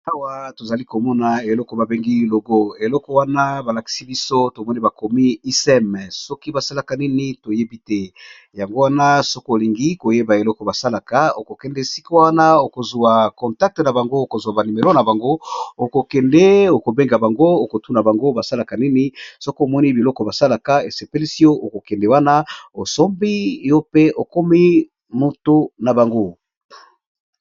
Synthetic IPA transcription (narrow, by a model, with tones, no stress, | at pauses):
a˦wa˦to˨za˨li˦ko˨mɔ˦na˨e˨lɔ˦kɔ˨ba˨be˦ŋɡi˦lo˨ɡo˦e˨lɔ˦kɔ˨wa˦na˦ba˨la˨ki̥˨si˦bi˦so˦to˨mɔ˦ni˦ba˨ko˨mi˦i˦sɛ˦m˨sɔ˦ki˦ba˨sa˦la˨ka˨ni˦ni˦to˨je˦bi˦tɛ˦ | ja˨ŋɡo˦wa˦na˦so˦ko˦o˨li˨ŋɡi˦ko˨je˦ba˨e˨lɔ˦kɔ˨ba˨sa˦la˨ka˦o˨ko˨kɛ˦ndɛ˦si̥˦ko˦wa˦na˦o˨ko˨zu˨a˨kɔ̃˨nta˦k̚te˨na˨ba˨ŋɡo˦o˨ko˨zu˨a˨ba˨ni˨me˨lo˦na˨ba˨ŋɡo˦o˨ko˨kɛ˨ndɛ˦o˨ko˨be˦ŋɡa˨ba˨ŋɡo˦o˨ko˨tu˦na˨ba˨ŋɡo˦ba˨sa˦la˨ka˨ni˦ni˦so˦ko˦o˨mɔ˦ni˦bi˨lɔ˦kɔ˨ba˨sa˦la˨ka˦e˨se˨pe˦li˦si˦jo˦ʔo˨ko˨kɛ˨nde˨wa˦na˦o˨so˦mbi˦jo˦pe˦o˨ko˦mi˦ | mo˨to˦na˨ba˨ŋɡo˦